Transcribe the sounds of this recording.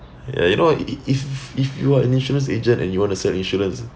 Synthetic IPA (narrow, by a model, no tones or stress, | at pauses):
ja̰junowififjuaɛ̰̃nĩnʃɔɹə̃nsed͡ʒə̃ntɛ̰̃njuwɔ̃ntusɛlĩnʃɔɹə̃ns